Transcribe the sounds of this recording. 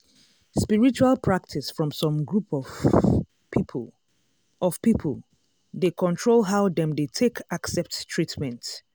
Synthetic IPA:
spiɹit͡ʃualˠpʰɹak̚tʰisfɹɔ̃msɔ̃mɡɹup | ʔɔv̥pipʰə̰lˠ | dekʰɔ̃ntʰɹolˠɦaʊðɛ̃mdetʰekaksɛp̚ttʰɹitmɛ̃nt

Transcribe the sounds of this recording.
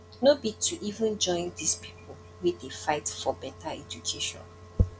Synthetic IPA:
nobitʰuʔivə̃nd͡ʒɔ̃ɪ̃ndispʰi̥pl̩ | widefaɪtfɔbɛtʰaɛd͡ʒukʰeʃɔ̰̃n

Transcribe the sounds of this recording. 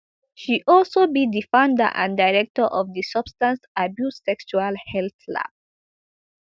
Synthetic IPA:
ʃiʔɔlsobidifãʊ̃ndə̰ʔã̰ndaɪɹɛk̚təʔɔvdisʌb̥stãnsabjussɛkʃualhɛlθla̰v

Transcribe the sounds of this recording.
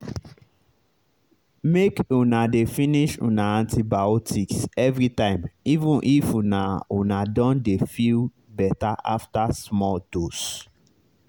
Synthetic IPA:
mekunadefĩniʃṵ̃naãntʰibaɔtʰiksɛvɹitãɪ̃mivũnʔifunaunadɔ̃ndefil | bɛtaʔa̰ftasmɔldos

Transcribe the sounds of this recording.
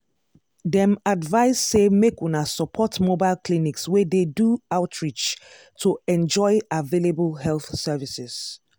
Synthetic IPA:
dɛ̃madvaɪsːemekunasɔpʰɔtmobaɪlklinikswededuaʊtʰɹit͡ʃ | tʰoɛ̃nd͡ʒɔɪavelebəlɦɛlθsɛvisɪz̥

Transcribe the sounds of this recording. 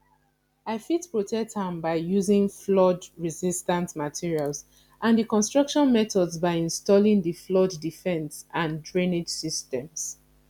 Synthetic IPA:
aɪfitpɹotʰɛk̚tʰãmbaɪjuzĩŋflɔdɹizistãntmatʰiɹials | ʔãnðikɔ̃nstɹ̥ʌkʃɔ̃nmɛtɔdzbaɪĩnstɔlĩŋdiflɔdːifɛ̃nsãndɹened͡ʒsistɛ̃ms

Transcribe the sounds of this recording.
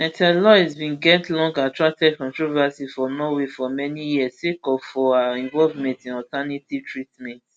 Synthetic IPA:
ɛ̃tɛlɔizbĩnɡɛtlɔ̃ŋɡatɹak̚tɛd̚kɔ̃ntɹovasifɔnowefɔmɛnijiəstekɔfɔaɛ̃nvɔlvmɛ̃ntɛ̃nɔtanititʰɹitmɛ̃nt

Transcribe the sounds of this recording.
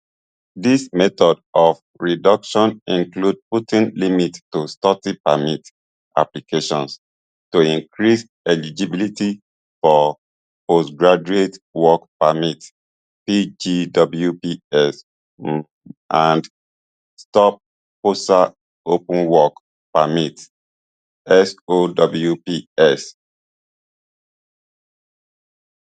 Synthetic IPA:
dismɛtɔdɔf | ɹidʌkʃɔ̃nĩŋklud̚putĩnlimittustɔtipamit | ʔa̰plikʰeʃɔ̃ns | tuĩŋkʰɹis | ɛlid͡ʒibiliti | fɔ | posɡɹad͡ʒuetwɔkpamit | pid͡ʒidɔbl̩jupiɛs | ʔãnd | stɔp̚ | posta | opãnwɔk | pamit | ɛsodɔbl̩jupiɛs

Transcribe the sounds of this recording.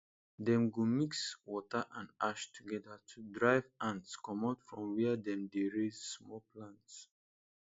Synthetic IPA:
dɛ̃mɡumikswɔtəʔãnaʃtʰuɡɛdətʰudɹaɪvãntskɔmatfɹɔ̃mwɛədɛ̃mdeɹezsmɔpʰlãnts

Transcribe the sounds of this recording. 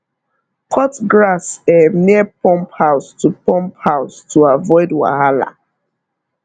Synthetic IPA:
kʰɔtɡɹasɛnipʰɔ̃mphaʊstʰupɔ̃mphaʊstuavɔɪdwa̰hala̰

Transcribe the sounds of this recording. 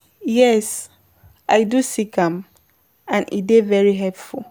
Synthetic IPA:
jɛs | ʔaɪdusikʰãm | ãnḭdevɛɹiɦɛlpful

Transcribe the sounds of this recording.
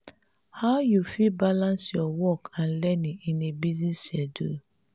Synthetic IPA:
haʊjufibalãnsjɔwɔkãn̩lɛniinebiznisjɛdṵ

